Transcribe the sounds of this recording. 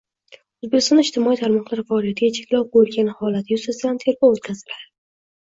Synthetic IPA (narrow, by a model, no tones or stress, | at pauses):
ʊzbekʲɪst̪ɒnɪʃt̪ʰɪmɒijt̪ʰaɾmɒqlˠaɾfaɒlˠijat̪ʰɪɡʲat͡ʃʰekʲlɒwqojlɡʲanhɒlat̪ʰjʊsasɪd̪ant̪ʰe̞ɾbɒwot̪̚kʲʰazɪlaɾɪ